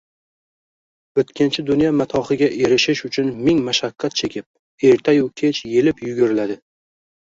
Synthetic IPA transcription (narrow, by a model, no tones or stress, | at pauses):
ɵt̪kʲʰɪnt͡ʃʰɪd̪ʊnjamat̪ʰɒχɨɡʲaʔe̞ɾɪʃɪʃʊt͡ʃʰʊnmɪŋmaʃakʲːat̪̚t͡ʃʰe̞kʲɪp̚ | e̞ɾt̪ʰajʊkʲʰet͡ʃje̞lɪpjʊɡʲʊɾɪlad̪ɪ